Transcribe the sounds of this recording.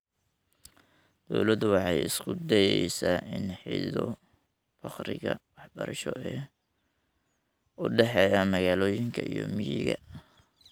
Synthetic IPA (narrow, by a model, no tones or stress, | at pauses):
d̪̥ɔwlɐd̪wɑħɑjɪskʰʊd̪ɛjɛjsaːʔɪnħiːðɔ | fɑqɾɪɣɐwɑħbɐɾɐʃɔɛː | ʊɖɛħɛːjamɐɣaːlɔːjɪŋkʰɐijɔmɪjɪɣɐ